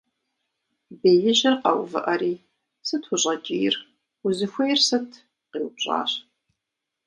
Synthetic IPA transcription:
beːjɪʑɐrqɐwvɨ̰ʔɐɾiː | sɨtʰxʷʊɕʼɐt͡ʃʼiːr | ʊzɨxʷejrsɨtʰ | qiːwɕʼa̰ːɕ

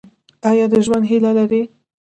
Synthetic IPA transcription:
ɑjɑd̪əʒwand̪ɦilalaɾi

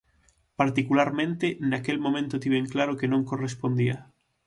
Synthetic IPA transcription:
paɾt̪ikulaɾmẽnt̪enakelmõmẽnt̪ʊt̪iβeŋklaɾokenõŋkorespond̪ia

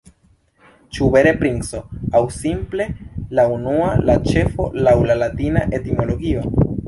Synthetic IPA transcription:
t͡ʃube̞ɾe̞pɾinso̞awsimple̞launualat͡ʃe̞fo̞̰lawlalatinaʔe̞timo̞lo̞ɡio̞

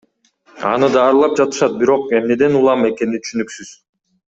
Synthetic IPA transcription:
ɑ̰nɯd̪ɑːɾɯlˠɑp̚d͡ʒɑt̪ɯ̥ʃɑt̪̚biɾo̞qe̞mne̞d̪e̞nulˠɑme̞ke̞nit̪ʰy̥ʃynyksyz̥

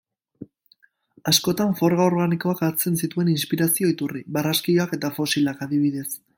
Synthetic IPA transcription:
asko̞t̪aɱfo̞ɾɣao̞ɾɣaniko̞akaɾt͡se̞nsit̪ue̞ninspiɾasio̞it̪uriβaraskioake̞t̪afo̞silakaðiβ̞iðe̞s

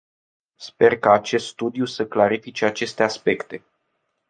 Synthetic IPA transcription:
spe̞rkaːt͡ʃe̞st̪st̪ud̪ijusəklaɾifit͡ʃeat͡ʃe̞st̪e̞aspe̞kt̪e̞

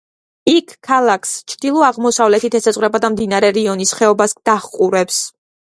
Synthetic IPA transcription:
ikʰːalˠakʰst͡ʃʰɾd̪̥ilˠɔaʁmɔsavlɛt̪it̪ʰɛsat̪sʼɾɛbad̪amd̪inaɾɛɾiɔnisχɛɔbasd̪̥aχqʼuɾɛps

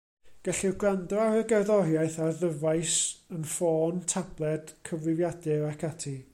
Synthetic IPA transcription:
ɡ̥ɛɬiɡrandɔawɾəɡɛrðɔrjajθaðəvaɨsənfoːntʰab̥lˠɛd̥kʰəvlɪvjadɛɾakʰatʰi

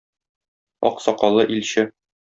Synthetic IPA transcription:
ɒ̰qsɒqɑlˠɤʔilɕɘ

